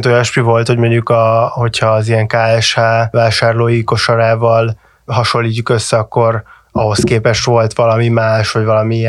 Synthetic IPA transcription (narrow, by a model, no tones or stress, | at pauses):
nt̪ojɛʃpivo̞lt̪ho̞ɟmoɲukɒho̞cʰhɒːzijɛŋkaːɛʃhaːvaːʃaːrloːjiko̞ʃoɾaːvɒl | ɦɒʃo̞lːiːcːukø̞sːɛɒkːo̞ɾ | ɒɦo̞skeːpɛʃtʋo̞lt̪ʋɒlɒmimaːʃʋɒɟvɒlɒmiiɛ